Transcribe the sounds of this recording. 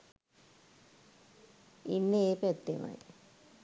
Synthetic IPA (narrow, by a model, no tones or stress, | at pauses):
inːeeːpæt̪ːema̰j